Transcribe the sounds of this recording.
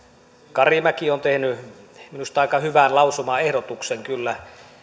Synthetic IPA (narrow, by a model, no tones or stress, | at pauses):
kɑrimækiont̪ehnyminust̪ɑˑikɑhyʋænlɑusumɑehɾot̪ukseŋkylːæ